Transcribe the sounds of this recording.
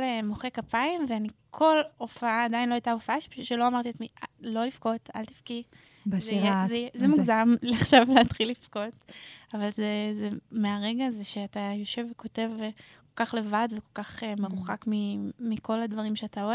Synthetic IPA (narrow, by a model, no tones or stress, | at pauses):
lemoχe̞kapaimveanikʰo̞lofaaːdajinlo̞ajtaofaaʃepaʃuʃelo̞amaʁt̪iatmialo̞lifko̞ta̰lt̪i̥fki | bzezzemuɡzamleaχʃavleatχilːifko̞tavalzezemeaʁe̞ɡazeʃe̞atajo̞ʃe̞vːeko̞te̞vko̞lkaχle̞vadveko̞lkaχemeʁuχakmimiko̞ladvaʁimʃeataoe